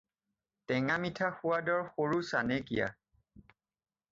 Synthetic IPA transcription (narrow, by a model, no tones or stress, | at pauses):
tɛŋamitʰaxʊwadɔɹxoɹusanɛkḭja̰